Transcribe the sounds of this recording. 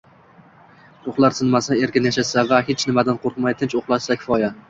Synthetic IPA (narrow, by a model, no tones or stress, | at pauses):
oχlˠaɾsɪnmasae̞ɾkʲɪnjaʃasavahet͡ʃnɪmad̪anqʰoɾqmajt̪ʰɪnt͡ʃoχlˠaʃsakʲʰɪ̥fɒja